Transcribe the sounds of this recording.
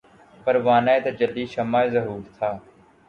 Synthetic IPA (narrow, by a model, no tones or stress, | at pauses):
pəɾʋaːnaeːt̪ad͡ʒəld̪iːʃəmaːeːzəɦuːɾt̪ʰaː